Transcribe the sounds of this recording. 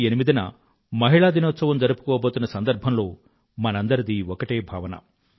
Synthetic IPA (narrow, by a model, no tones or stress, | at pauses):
enimid̪inɐ̰ | mɐɦiɭaːd̪inɔːt̪sɐʋɐmd͡ʒɐɾupu̥kɔːboːt̪unːɐsɐnd̪ɐɾbʱɐmlo̞ː | mɐnɐnd̪ɐɾid̪iɔkɐʈeːbʱa̰ːʋɐnɐ̰